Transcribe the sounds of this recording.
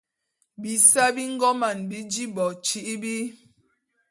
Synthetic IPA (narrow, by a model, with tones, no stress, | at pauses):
bi˨sa˦bi˦ŋ̩˦ɡɔ˦ma˨nbi˦d͡ʒi˦bɔ˨t͡ʃi˦ʔi˦bi˦